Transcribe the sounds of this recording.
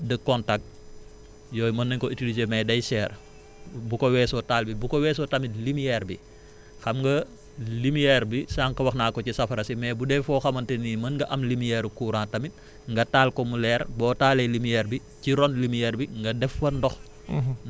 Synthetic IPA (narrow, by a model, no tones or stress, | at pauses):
dəkɔntak̚t̚ | jɔːjmɐnːɐɲkɔitilizemɛdɐjsɛːr | bukɔwɛːsɔtaːlbibukɔwɛːs̬ɔtɐmilimijɛːɾbḭ | xɐmŋɡɐ | limijɛːɾbisaːŋkɐwɐxnaːkɔcisɐfɐɾɐsimɛːbudɛfɔxɐmɐntɛnimɐnŋɡɐʔɐmlimijɛːɾukuːɾãːtɐmit̚ | ŋɡɐtaːlkɔmulɛːɾbɔːtaːlɛjlimijɛːɾbi | ciɾɔnlimijɛɾbiŋɡɐdɛfːɐndɔx